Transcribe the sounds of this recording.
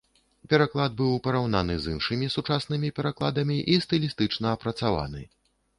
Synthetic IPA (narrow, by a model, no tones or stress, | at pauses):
pʲɛɾaklˠad̪̚bɨwpɐɾawnanɨzinʂɨmʲisut͡ʂasnɨmʲipʲɛɾaklˠad̪ɐmʲiʔist̪ɨlʲist̪ɨt͡ʂnɐːpɾɐt̪sava̰nɨ̰